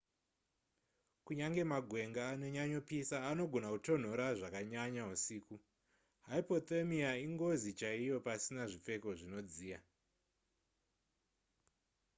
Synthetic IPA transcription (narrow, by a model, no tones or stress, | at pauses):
kuɲaŋɡe̞maɡʱwe̞ŋɡaːno̞ɲaɲo̞pisaːno̞ɡʱo̞nakuto̞n̤o̞ɾaʐakaɲaɲausiːku | ɦaipo̞t̪emiaiŋɡo̞zit͡ʃaijo̞pasinaʐip͡fe̞ko̞ʐino̞d͡ziːja